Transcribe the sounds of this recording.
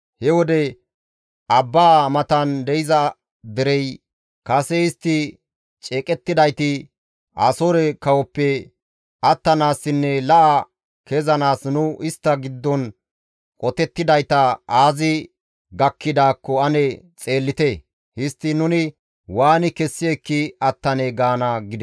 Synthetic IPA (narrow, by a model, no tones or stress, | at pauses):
hɛwɔd̪ɛ | ʔɐbːaːmɐt̪ɐnd̪ɛjɪzɐ | d̪ɛɾɛj | kɐsɛɪst̪ːɪ | t͡ʃʼeːkʼɛt̪ːɪd̪ɐjt̪ɪ | ɐsoɾɛkɐwɔpːɛ | ʔɐt̪ːɐnaːsːɪnːɛlɐʔɐ | kɛzɐnaːsnʊʔɪst̪ːɐɡɪd̪ːɔn | kʼɔt̪ɛt̪ːɪd̪ɐjt̪ɐaːzɪ | ɡɐkʰːɪd̪aːkːɔɐnɛt͡sʼe̞ːlːɪt̪e | hɪst̪ːɪnʊnɪ | waːnɪkɛsːɪɛkːɪɐt̪ːɐnɛɡaːnɐɡɪd̪ɛ